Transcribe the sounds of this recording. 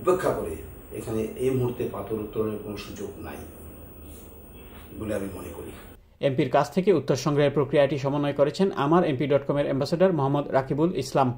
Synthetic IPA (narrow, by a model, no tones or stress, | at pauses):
upːekʰːakoɾḛ | ḛkʰaneejmuɦuɾt̪epat̪oɾut̪ːoɾoneɾkonoʃud͡ʑoɡna̰j | boleamimonekoɾḭ | empiɾkat͡ɕʰt̪ʰekeut̪ːoɾʃɔŋɡɾaɦeɾpɾokɾiaʈiʃɔmonːoekoɾet͡ɕʰenʔa̰maɾempiɖɔʈkɔmeɾɛmbasaɖaɾmoɦamːod̪ɾakibulislam